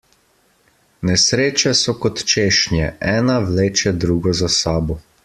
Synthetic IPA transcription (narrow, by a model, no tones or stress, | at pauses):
nɛsɾeːt͡ʃɛsɔkɔt̪t͡ʃeːʃnjɛʔɛːnaʋleːt͡ʃɛd̪ɾuːɡɔzasaːbɔ